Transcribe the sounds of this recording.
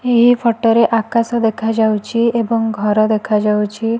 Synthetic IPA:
eɦipʰɔʈɔɾeʔakasɔd̪ekʰad͡ʒawt͡ʃʰiebɔŋɡʱɔɾɔd̪ekʰad͡ʒawt͡ʃʰi

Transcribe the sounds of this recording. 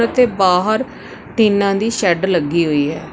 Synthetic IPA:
ət̪eːbaːɦəɾ | ʈiːnãːd̪iːʃɛɖləɡːiːɦoːiːɦɛː

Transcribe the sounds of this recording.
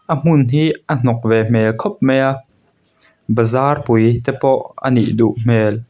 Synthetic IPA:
ʔəm̥ʊnɦiːʔən̥ɔk̚vɛm̥ɛlkʰɔp̚mɛjaʔ | bəzaːrpujt̪ɛpɔʔə̰nḭʔduʔm̥ɛːl

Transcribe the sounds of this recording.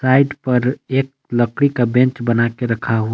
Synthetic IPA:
saːɪɖpɐɾeːk̚ | ləkɽikabɛ̃nt͡ʃbənakeɾɐkʰaɦua

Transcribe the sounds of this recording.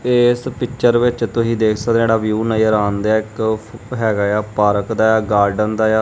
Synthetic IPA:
ɪspɪkt͡ʃəɾʋɪt͡ʃt̪ʊsĩːd̪eːkʰsəkd̪eːɽaːʋjuːnaːjɾaːnd̪aːɪkɦɛːɡaːjaːpaːɾəkd̪aːjaːɡaːɾɖənd̪aːjaː

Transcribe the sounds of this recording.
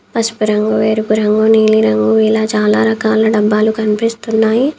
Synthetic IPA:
pɐspuɾɐŋɡuʋeːɾukuɾɐŋɡoːniːliɾɐŋɡuːiːlaːt͡ʃaːlaːɾɐkaːlɐɖɐbːaːlukɐnipist̪unːaːji

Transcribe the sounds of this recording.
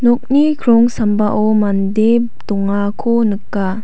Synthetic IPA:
nɔk̚nikʰɾɔŋsambaʔɔmandep | d̪ɔŋakʰonɯkːa

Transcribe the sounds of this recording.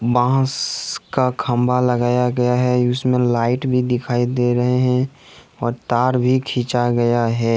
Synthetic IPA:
bãːskakʰə̃mbʱaləɡaːjaɡɐjaɦɛʊsmẽlaːɪʈbʱid̪ɪkʰaːid̪eɾəɦeɦɛ̃ | ɔːɾt̪aːɾbʱikʰĩːt͡ʃaɡɐjaɦɛː

